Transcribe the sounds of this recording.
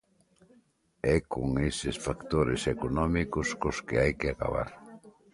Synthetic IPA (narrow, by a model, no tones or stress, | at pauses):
ɛkoŋesɪsfakt̪oɾɪsekonɔmikʊskoskɪajkɪaka̰βa̰ɾ